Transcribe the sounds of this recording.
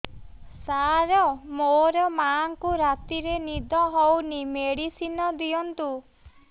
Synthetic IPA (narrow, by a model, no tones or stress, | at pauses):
saɾɔmoɾɔmaŋkuɾat̪iɾenid̪ʱɔɦɔwnimeɽisinɔd̪iɔnt̪u